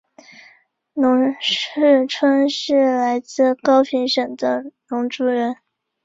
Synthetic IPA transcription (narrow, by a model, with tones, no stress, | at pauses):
nʊ˧˥ŋʂ̩˥˩ʈ͡ʂʰwə˥nʂɻ̩˥˩la˧˥ɪt͡sɹ̩˥˧kɑ˥ʊpʰi˧˥ŋɕɥɛ˨˩nd̪ə˦nʊ˧˥ŋʈ͡ʂu˧˥ɻə˧˥n